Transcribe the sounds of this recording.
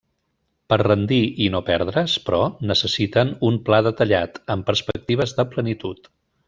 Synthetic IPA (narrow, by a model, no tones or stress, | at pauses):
pəɾrənd̪iinopɛɾð̞ɾəspɾɔnəsəsit̪ənumplaðət̪əʎat̪əmpəɾspək̚t̪iβ̞əzðəplənit̪ut̪